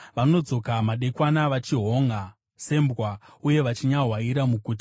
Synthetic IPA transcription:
ʋano̞d͡zo̞kamaɗe̞kwanaʋat͡ʃiɦo̞ŋa | se̞mbwauje̞ʋat͡ʃiɲaɦwaiɾamukuːti̥

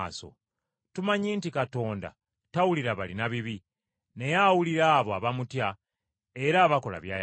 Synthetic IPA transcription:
so̞̰ | tumaɲiːntikato̞ːnda̰ | tawuliɾaβalinaβiβi | ne̞jawuliɾaːβoaβamutja | e̞ɾaːβako̞la̰βjaː

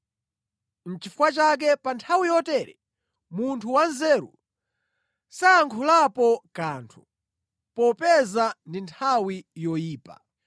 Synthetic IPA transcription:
n̩t͡ʃifukwat͡ʃak̬ɛpantʰawijɔtɛɾɛ̰ | muntʰuwanzɛɾṵ | saːŋkʰulapɔkaːntʰu | pɔpɛzandintʰawijɔjiːpa̰

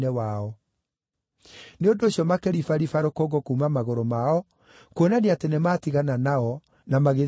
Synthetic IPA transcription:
nɛwaɔ | neondoːɕjɔmakɛɾifaɾifaɾokoɡɔkuːmamaɣoɾomaɔ | kwonaneatenematiɣananaɔ | namaɣe

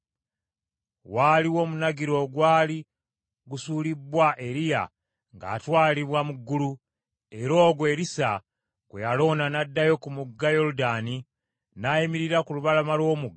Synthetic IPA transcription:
waliwo̞ːmunaɡiɾo̞ɡwaːli | ɡusuːlibːwaʔe̞ɾija̰ | ŋɡa̰ːtwaːliβwamuɡːulu | e̞ɾo̞ːɡwe̞ɾisa | ɡ̥wejalo̞ːnanadːajo̞kumuɡːajo̞ɾudani | naimiɾiɾakuluβalamalwo̞ːmuɡa

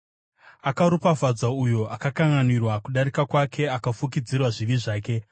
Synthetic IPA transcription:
akaɾupavad͡zaujo̞ʔakakaŋɡanirwakuɗaɾikakwakʰe̞akafuk̬id͡zirwaʐiʋiʐaːke̞

